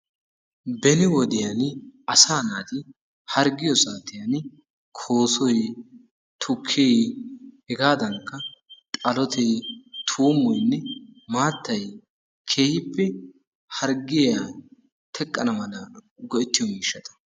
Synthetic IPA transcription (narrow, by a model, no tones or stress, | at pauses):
bɛnɪwɔd̪ɪjɐnɐsaːnaːt̪ɪ | hɐɾɡɪjɔsaːt̪ɪjɐn | kʰoːsɔj | t̪ʰʊkʰːejhɛɡaːd̪ɐŋkːɐt̪ʼɐlɔt̪ʰɛjt̪ʰuːmːɔjnːɛmaːt̪ːɐj | kʰeːhɪpːɛ | hɐɾɡɪja | t̪ʰɛkʼːɐnɐmɐlɐɡɔʔɛt̪ːɪjɔmiːʃːɐt̪ɐ̥